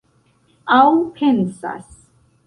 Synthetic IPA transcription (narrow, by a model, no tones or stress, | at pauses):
awpʰɛnsa̰s